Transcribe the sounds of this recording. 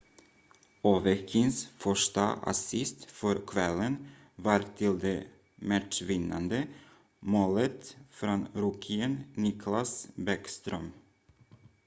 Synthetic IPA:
oːvɛkʰɪŋsfœʂʈa̰a̰sɪst̪fœɾkʰvɛlːən | vɑːɾt̪ʰɪld̪eː | mæʈʂvɪnːa̰nd̪ə | moːlət̪fɾonɾuːkʰɪənnɪkʰlasbækst̪ɾœm

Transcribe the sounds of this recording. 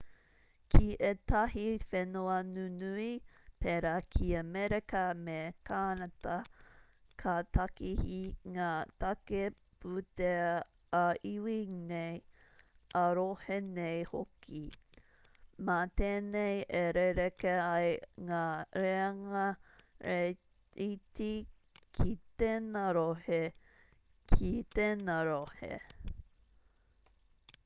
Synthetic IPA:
kʰiʔetɐhifenoɐnunuipeɾakʰiɐmeɾekɐmekʰaːnɐtɐ | kʰatʰɐkihiŋaːt̪ɐke | pute | aʔiwinej | ʔɐɾohenejhokʰi | mɐt̪eːnejeɾeɾekeɐjŋaɾeɐŋɐ | iti | kʰit̪enaɾohe | kʰit̪enaɾohḛ

